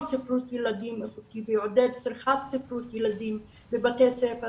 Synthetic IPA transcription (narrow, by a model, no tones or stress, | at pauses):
sifɾut̪jelad̪imeχut̪iveod̪ed̪siɾχat̪sifɾut̪jelad̪im | bebatesefe